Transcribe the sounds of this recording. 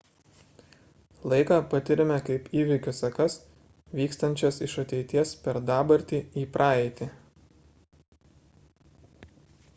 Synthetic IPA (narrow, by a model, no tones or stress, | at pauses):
lˠɐɪkɑːpɐt̪ʲɪɾʲɪmʲɛkɐɪpiːʋʲɪkʲʊsɐkɐs | ʋʲiːkst̪ɐnʲt͡ʃʲoːsɪʃɐt̪ʲɛɪt̪ʲiɛspʲɛɾd̪ɑːbɐɾʲt̪ʲiːiːpɾʔɑːɛɪt̪ʲɪ